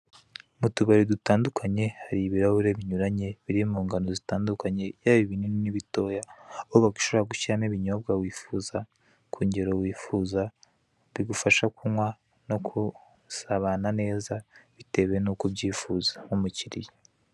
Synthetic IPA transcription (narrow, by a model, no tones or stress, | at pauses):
mutuβaɾidutaːndukʰaɲe̞haɾiβiɾahuɾeβiɲuɾaɲe̞βiɾimuːŋɡanozitaːndukaɲe̞jaβiβinininiβito̞jaβoβaɡiʃoβoɾaɡuçiɾameβiɲo̞b̚ɡawiːfuza | kʰuːɲɟeɾowiːfuza | βiɡufaʃakunwa | no̞kʰu | saβanane̞ːzaβite̞βenukubɟiːfuzḁumuciɾḭje